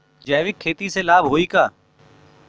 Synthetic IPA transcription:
d͡ʒɛːʋɪkʰːeːt̪iːselaːbʱɦoːiːkaː

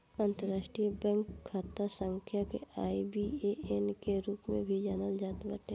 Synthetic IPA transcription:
ãːnt̪əɾaːʃʈɾiəbɛ̃ːŋkkʰːaːt̪asə̃ŋkʰjakeaːibieenkeɾuːpmḛ̃bʱid͡ʒanəld͡ʒaːt̪bəʈe

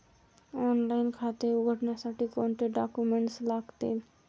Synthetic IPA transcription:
ɔːnlaːɪnkʰaːt̪euɡʱəʈnasaʈikoːnʈeɖaːkumẽɳʈslaːkt̪ḛː

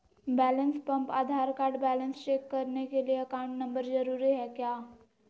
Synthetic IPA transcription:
bɛːlə̃nspɐ̃mpa̰ːd̪ʱaːɾkaːɾɖbɛːlə̃nst͡ʃeːkːɐɾnekelieɐkaːʊ̃ɳʈnɐ̃mbəɾzɐɾuːɾiɦɛkjaː

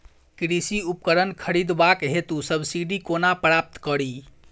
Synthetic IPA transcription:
kɾisiup̚kəɾənkʰəɾid̪bakɦet̪usəbsiɖikonapɾap̚t̪kəɾi

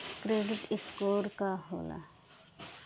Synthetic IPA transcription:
kɾeːɖɪʈɪskoːɾkaɦo̰ːla̰

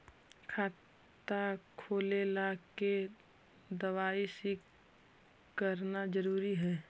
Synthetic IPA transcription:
kʰaːt̪ | akʰoːlelake | d̪əʋaːisik | kəɾnad͡ʒəɾuːɾiɦɛː

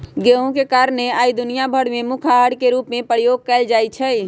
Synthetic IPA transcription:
ɡeːɦõkekaːɾəneaːid̪ʊnijabʱəɽmẽmukʰaɦəɽkeɾuːpmẽpɾəjoːɡ̚kɛɪld͡ʒaːjt͡ʃʰɛi

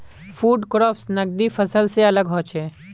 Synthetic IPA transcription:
fʰuːɖkɾɔːpsnɐɡ̚d̪ifɐsəlseɐləɡɦɔ̃ːt͡ʃeː

